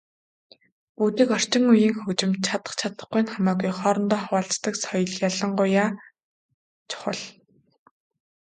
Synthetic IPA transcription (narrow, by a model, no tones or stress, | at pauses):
puːt̪iːkɔr̥t͡ɕɪ̆ŋujiːŋxɵt͡ɕɪ̆mt̪̚t͡ɕʰat̪ə̥̆χt͡ɕʰat̪ə̆χɡujnχamaːɣujχɔːɾɞ̆nt̪ɔːχawaːɬt͡st̪ə̆ksɔjɞ̆ɮjaɮə̆ɴɢʊjːaː | t͡ɕʰʊ̥χə̰̆ɮ